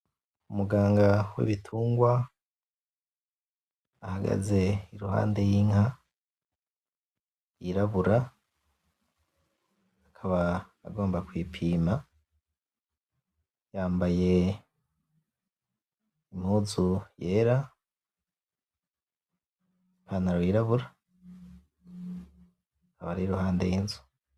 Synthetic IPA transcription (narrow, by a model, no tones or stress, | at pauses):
umuɡaːŋɡawḛβitʰuːŋɡwa | haɡa̰ze̞iɾuɦa̰ːnde̞jiŋha | jiɾaβuɾa | kʰaβaː | ɡo̞ːmbakwiːpʰiːma | jaːmbaje̞ | im̥huzujeːɾa | ipʰanaɾojiɾaβuɾa | kaβaɾiiɾuɦaːndejinzu̥